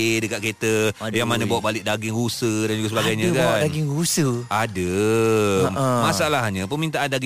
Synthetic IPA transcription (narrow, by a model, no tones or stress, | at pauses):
dəkat̪̚ket̪əjaŋmanəbawaʔbalɪʔ̚daɡɪŋɾusədand͡ʒuɡasəbaɡajɲãkadaɡɪŋɾusəʔadə | masalahɲãpəmint̪̬aʔandaɡ